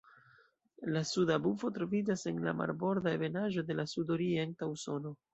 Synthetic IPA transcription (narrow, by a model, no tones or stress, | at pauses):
lasudabufo̞tɾo̞vid͡ʒase̞nla̰ma̰ɾbo̞ɾdaeve̞naʒo̞de̞lasudo̞ɾie̞ntauso̞no̞